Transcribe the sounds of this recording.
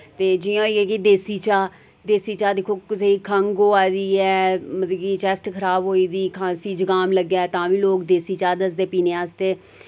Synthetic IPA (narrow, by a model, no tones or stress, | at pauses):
t̪eːd͡ʒɪãːoiːɛ̃ːkid̪eːsiːt͡ʃaː | d̪eːsiːt͡ʃaːd̪ɪkʰːoːseiːkʰəŋɡoːaːd̪iːɛːmət̪liːkit͡ʃɛsʈkʰəɾaːbɦoːiːd̪iːkʰãːnsiːd͡ʒəɡaːmləɡjaːɛːt̪ãːʋĩːloːkd̪eːsiːt͡ʃaːd̪əs̬d̪eːpiːneːaːst̪eː